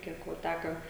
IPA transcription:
ˈkʲiɛk ʋoː ˈtʲækɐ

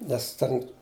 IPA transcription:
nʲɛs ˈtʲɛn

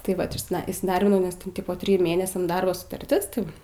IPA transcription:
tɐɪ ˈʋɐt ɪʃʲˈsʲɪdɐ iːsʲɪˈdɐrʲbʲɪnɐʊ nʲɛs tʲɛn ˈtʲɪpoː ˈtʲrʲɪjʊ ˈmʲeːnʲɛsʲɛm ˈdɐrboː sʊtɐrʲˈtʲɪs tɐɪ ˈʋɐ

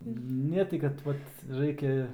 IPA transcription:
ˈnʲɛ tɐɪ kɐt ˈʋɐt ˈrɐɪkʲɛ

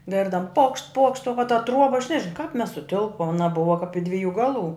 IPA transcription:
ˈɡʲɪrdɐm poːkʃt poːkʃt oː ʋɐ tɐ ˈtruɔbɐ ɐʃ nʲɛʒʲɪˈnɐʊ kɐp mʲɛs sʊˈtʲɪlˠpoːm ɐˈnɐ ˈbʊʋɐ kɐp ɪ ˈdʲʋʲɪˌjuː ˈɡɑːˌlˠuː

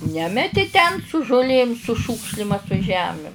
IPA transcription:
ˈnʲæːmʲɛtʲɪ tʲɛn sʊ ʒʊˈlʲeːm sʊ ˈʃuːkʃʲlʲɪm ɐ sʊ ˈʒʲæːmʲɪm

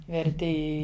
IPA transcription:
ʋʲɛrʲˈtʲɪ ˈɪ

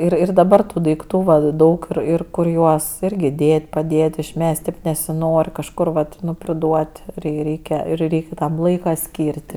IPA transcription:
ˈɪr ɪr dɐˈbɐr ˈtuː dɐɪkˈtuː ˈʋɐ ˈdɐʊk ɪr ˈɪr ˈkʊr ˈjuɔs ˈɪrʲɡʲɪ ˈdʲeːtʲ pɐˈdʲeːtʲ ɪʃʲˈmʲæːsʲtʲɪ nʲɛsʲɪˈnoːrʲ kɐʃˈkʊr ʋɐt ˈnʊ pʲrʲɪˈduɔtʲ rʲɛɪ ˈrʲɛɪkʲɛ ɪr ˈrʲɛɪkʲ ˈtɐm ˈlˠɐɪkɐ ˈsʲkʲiːrʲtʲ

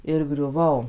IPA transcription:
ɪr ɡrʲʊˈʋɐʊ

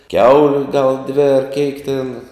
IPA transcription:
ˈkʲɛʊlʲʊ ɡɐlˠ dʲʋʲɪ ɐr kʲɛɪk tʲɛn

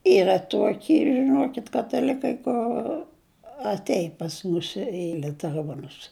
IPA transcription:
ˈiːrɐ ˈtuɔkʲɪ ʒʲɪˈnuɔkʲɪt kɐtɐˈlʲɪkɐɪ kʊr ɐtʲˈɛɪn pɐs ˈmʊs ɪ lʲʊtʲɛˈruɔnʊs

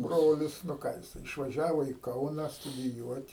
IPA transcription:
ˈbroːlʲɪs nʊ ˈkɑː jɪˈsɐɪ ɪʃʋɐˈʒʲæːʋoː iː ˈkɐʊnɐ stʊdʲɪˈjuɔtʲ

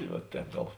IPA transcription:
ʋɐ ˈtʲɛːp ˈɡɐlˠ

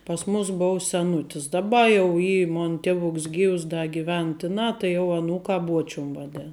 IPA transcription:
pɐs ˈmʊs ˈboːʊ sʲɛˈnʊtʲɪs dɐˈbɐ jɛʊ ˈiː ˈmoːn ˈtʲæːʋʊks ˈɡʲiːws ˈdɐ ɡʲɪˈʋʲɛn ˈtʲɪˌnɑː tɐɪ jɛʊ ɐˈnuːkɑː ˈbuɔt͡ʃʲʊm ʋɐˈdʲeːn

